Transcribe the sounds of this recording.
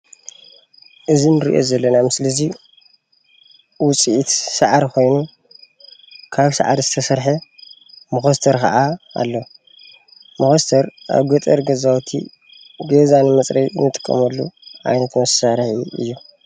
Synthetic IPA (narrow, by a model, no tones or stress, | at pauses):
ʔɨzinɨɾḭʔo̰zɐlːɐnamɨslɐzi | wʊt͡sʼiʔit̪saʕaɾkʰo̞jnu | kʰaβsa̰ʕa̰d̪zɨt̪ʰɐsɐɾħɐ | mɨxɐst̪ʰɐɾkɐ̰ʔaa̰lːo | mɐxost̪ʰɐɾʔa̰βɡɐt̪ʼɐɾɡɐzawt̪ʰḭ | ɡɐzanɨmɐt͡sʼɾɐjɨnːɨt̪ʼɨ̥kʼːɐ̰mɐlːṵʕa̰jnɐt̪mɐsaɾħiɨ̰jːu